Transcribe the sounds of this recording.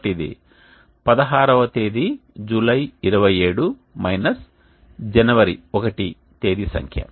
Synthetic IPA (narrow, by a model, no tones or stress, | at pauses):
ʈid̪ḭ | pɐd̪ɐɦaːɾɐʋɐt̪eːd̪id͡ʒulɐjiɾɐʋɐje̞ːɽu | mɐjnɐs | d͡ʒɛnɐʋɐɾiɔkɐʈi | t̪eːd̪isɐ̰ŋkʰjɐ̰